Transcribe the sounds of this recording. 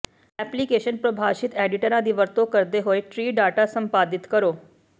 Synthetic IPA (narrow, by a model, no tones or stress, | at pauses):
ɛplikeʃənpɾəbʱaʃit̪ɛɖiʈəɾãd̪iːʋəɾt̪okəɾd̪eɦoeʈɾiːɖaʈasəmpad̪it̪kəɾoː